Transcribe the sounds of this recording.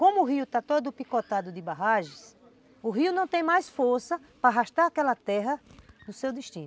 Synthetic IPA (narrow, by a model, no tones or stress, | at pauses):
kõmʊːɦiʊt̪at̪od̪ʊpikɔt̪ad̪ʊd̪ɪbaɦaʒɪ̃s | ʊɦiʊnɐ̃w̃t̪ẽj̃majsfoɾsɐ | pɾaɦaʃt̪aɾakɛlɐt̪ɛɦɐnʊsewd̪iʃt̪ĩn